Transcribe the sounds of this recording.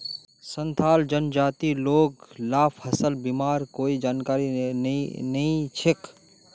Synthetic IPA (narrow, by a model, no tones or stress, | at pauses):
sə̃nt̪ʰaːld͡ʒənd͡ʒaːt̪iloːɡlaːpʰɦɐsəlbimaːɾkoːid͡ʒaːnkaːɾinnɐɦĩt͡ʃʰɪk